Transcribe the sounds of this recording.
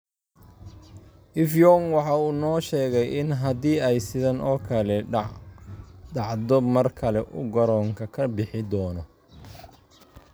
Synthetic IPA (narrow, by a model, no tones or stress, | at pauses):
ʔɪfjɔːŋwɑħɑːuːnɔːʃɛːɣɛjʔɪnɦɐd̪iːɛjsɪðɐnʔɔːkʰɐlɛ | ɖɑʕdɔmɐrkʰɐlɛʔʊ̰ɡɐɾɔːŋkʰɐkʰɐbɪħɪd̪ɔːnɔ